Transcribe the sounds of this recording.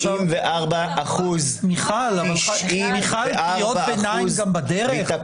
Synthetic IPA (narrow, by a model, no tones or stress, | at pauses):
imveʔaʁbaːχuz | miχalavalmiχalijotbenajmɡambadeʁeχ